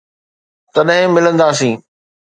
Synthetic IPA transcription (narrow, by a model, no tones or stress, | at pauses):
t̪ɐɗɦɪ̃mɪlə̃nd̪aːs̬ĩː